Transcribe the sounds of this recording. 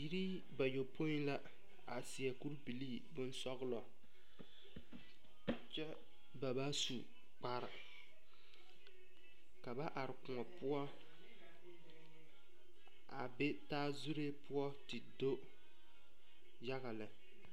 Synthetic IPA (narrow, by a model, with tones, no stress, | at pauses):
ji˦ɾi˦ | ba˨jo˨pʰo˦i˦la˦ | a˨si˨ɛ˨ku˦ɾbi˨liː˦ | bʊ˦nsɔ˦ɣɨ˦lɔ˨ | t͡ʃɛ˦ | ba˨ba˦su˨ | k͡pa˨ɾɪ˨ | ka˨ba˦ʔa˨ɾɪ˨kʊ˨ŋɔ˨pʊ˦ɔ˦ | a̰˨bɛ˦taː˦zu˦ɾe˦pʊ˦ɔ˦tɨ˨do˦ | ja˦ɣa˨lɨ˨